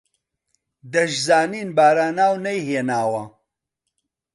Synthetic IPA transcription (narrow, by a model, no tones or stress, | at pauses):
d̪ɐʒzaːniːnbaːɾaːnaːwnɐjhinaːwɐ